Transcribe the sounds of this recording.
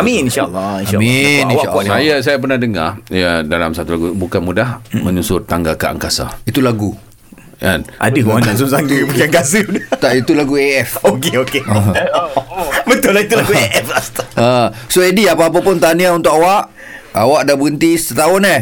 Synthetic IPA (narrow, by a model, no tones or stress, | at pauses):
aminĩnʃa̰lːinaminĩʃaʔansajas̬ajap̬ərnahdəŋa̰jadalamsat̪ulaɡubukanmudahmə̃ɲusʊrt̪aŋɡaka̰ʔa̰ŋkasa̰it̪ulaɡu | a̰nʔa̰dəaaʔsumsaŋdipukaŋkasidət̪aʔit̪ulaɡueɛfokeokeə | bət̪ʊlahit̪ulaɡueɛfast̪əsoediapaːp̬apʊnt̪aniaunt̪ʊʔawaʔ | awaʔdabuənt̪isət̪aʊne